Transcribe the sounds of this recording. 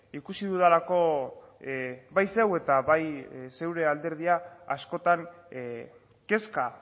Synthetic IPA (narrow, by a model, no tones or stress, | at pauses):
ikusiðuðalako̞ | bajse̞we̞t̪aβajse̞wɾe̞ald̪e̞ɾðiaːsko̞t̪aŋ | ke̞ska